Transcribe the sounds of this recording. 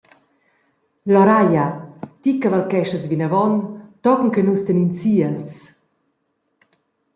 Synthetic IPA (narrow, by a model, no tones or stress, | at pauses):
lɔɾajat̪ikːavalkɛʃəsvinəvɔnt̪ɔkŋ̩kɛnust̪ənint͡siəls